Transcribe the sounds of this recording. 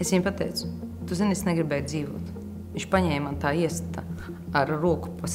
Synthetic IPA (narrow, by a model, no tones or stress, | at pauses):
esʋʲiɲpat̪ɛjt̪sʊ̥ | t̪uzinesneɡɾibɛːjd̪ziːʋuɔt̪ | iɲt͡ʃpaɲɛːjmant̪aːiɛst̪a | aɾɾuɔku̥pos